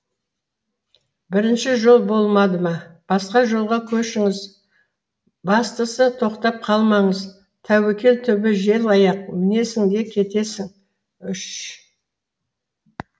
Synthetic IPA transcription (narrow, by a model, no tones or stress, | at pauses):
bɪɾɪnʃɪʒo̞lˠbo̞lˠmɑd̪əmɑb̥ɑsqɑʒo̞lˠʁɑkʲʰɵʃɪŋɪz | bɑst̪əsət̪ʰo̞qt̪ɑp̚qʰɑlˠmɑɴəz | t̪ʰæwekʲe̞lt̪ʰʏbɪʒe̞lɑjɑq̚mɪne̞sɪŋd̪e̞kʲʰe̞t̪e̞sɪŋ | ʏʃ